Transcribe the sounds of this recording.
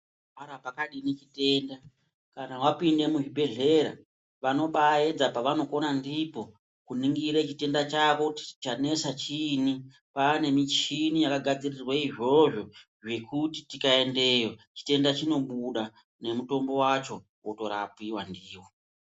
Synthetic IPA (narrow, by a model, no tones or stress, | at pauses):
aɾapakaɗinit͡ʃite̞nda | kanawapinde̞muʐibʱe̞ɮe̞ɾa̰ | ʋano̞ɓae̞d͡zapaʋano̞ko̞nandipo̞ | kuniŋɡiɾet͡ʃite̞ndat͡ʃako̞ti̥t͡ʃane̞sat͡ʃini | pane̞mit͡ʃinijakaɡʱad͡zirirwaiʐo̞ʐo̞ | ʐe̞kuti̥tikae̞nde̞jot͡ʃi̥te̞ndat͡ʃino̞ɓuɗa | ne̞muto̞mbo̞wat͡ʃo̞ | woto̞ɾa̰piwandiːwo̞